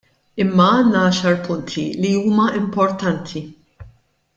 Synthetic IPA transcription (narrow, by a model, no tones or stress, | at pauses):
ɪmːɐɐːnːɐɐʃɐɾpʊnt̪ʰiliuːmɐʔɪmpɔɾt̪ɐnt̪ʰi